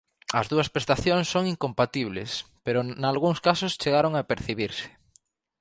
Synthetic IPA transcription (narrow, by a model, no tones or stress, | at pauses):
ɐ̰zðuɐspɾest̪aθjoŋsːoŋiŋkompat̪iβlḛspeɾʊnalɣuŋskasʊst͡ʃeɣaɾoŋaːpeɾθiβiɾsɪ̥